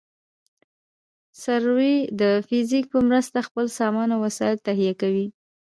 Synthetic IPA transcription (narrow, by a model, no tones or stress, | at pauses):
saɾwid̪əfɪzik̚pəmɾəst̪axpəlsɑmɑnawasɑɪlt̪aɦijakawi